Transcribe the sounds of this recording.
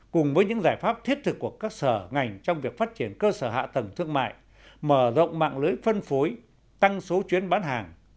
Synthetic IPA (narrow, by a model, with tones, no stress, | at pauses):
kʊ˨˩ŋ͡mvəː˨˦jɲɨ̰˧˥ŋzaː˧˩jfaː˦˥p̚t̪ʰi˦˥ət̚t̪ʰɨ˨˩kːu˧˩əkaː˦˥k̚səː˧˩ŋa˨˩jŋ̟t͡ɕɔ˧wŋ͡mvi˨˩ək̚faː˦˥t̚t͡ɕi˧˩ənkəː˧səː˧˩ɦa̰ː˧˨t̪ə˨˩ŋt̪ʰɨ˧əŋma̰ː˧˨j | məː˧˩zo̰˧˨wŋ͡mma̰ː˧˨ŋlɨ˨˦jfə˧nfu˨˦j | t̪a˧ŋso˨˦t͡ɕwi˨˦ənɓaː˨˦nɦaː˨˩ŋ